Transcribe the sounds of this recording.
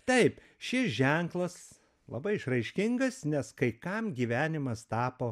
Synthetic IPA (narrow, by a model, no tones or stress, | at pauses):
t̪ɐɪp | ʃʲɪsʒʲɛŋklˠɐs | lˠɐ̰bɐɪɪʃrɐɪʃʲkʲɪŋɡɐsnʲɛskɐɪkɐmɡʲiːʋʲæːnʲɪmɐst̪ɑːpoː